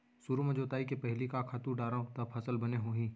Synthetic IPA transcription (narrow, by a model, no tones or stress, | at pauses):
suɾomẽd͡ʒoːt̪aːikepɛɦlikakʰaːt̪uɖaːɾãt̪ɐbpʰɐsəlbɐneɦoːɦĩː